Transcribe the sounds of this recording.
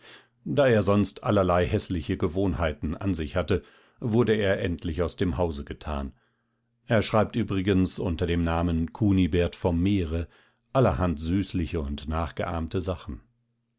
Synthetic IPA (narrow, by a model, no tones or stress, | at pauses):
d̥aːeːɐzɔnstʔa̰lɐlaɪhɛslɪçəɡəvoːnhaɪtn̩ʔa̰nzɪçhatə | vʊɐdəeːɐʔɛntʰlɪçaʊsd̥eːmhaʊzəɡətʰa̰ːn | ʔeːɐʃʁ̥aɪp̚tʔyːbʁɪɡənsʊntɐdeːmnaːmənkʰuːnibɛɐtfɔmːeːʁə | ʔalɐhantz̥yːslɪçəʊntnaːχɡ̥əʔa̰ɐmtəzaχn̩